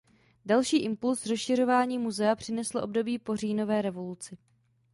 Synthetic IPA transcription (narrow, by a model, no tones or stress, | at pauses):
dalʃiːʔɪmpulsrosʃɪro̞vaːɲiːmuzɛapr̝̥ɪnɛsloʔo̞bdo̞biːpo̞riːno̞vɛːɾɛvo̞lut͡sɪ